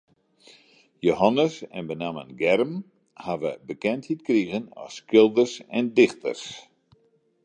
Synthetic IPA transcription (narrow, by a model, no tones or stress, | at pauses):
joɦanəsɛ̰nbənaːmə̰nɡɛrm | haʋəbəkɛnthitkriɣənɔ̰skɪlˠdərsɛ̰ndɪxtə̰rs